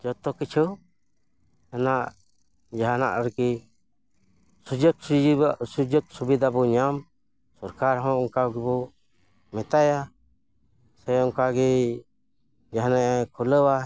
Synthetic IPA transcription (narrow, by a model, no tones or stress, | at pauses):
d͡ʒɔt̪ɔkit͡ʃʰɔ | anaʔ | d͡ʒaɦanaʔaɾki | d͡ʒɔksud͡ʒɔk̚subid̪abɔɲam | sɔɾkaɾɦɔ̃ʔɔŋkaɡɛbɔ | mɛt̪aja | sɛjɔŋkaɡɛ | d͡ʒaɦanaʔkʰuləwa